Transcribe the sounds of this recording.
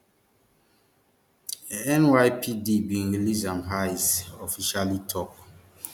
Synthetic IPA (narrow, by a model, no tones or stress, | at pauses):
ɛ̃nwajpʰidibĩnilizãmɦajsɔfiʃalitʰɔp̚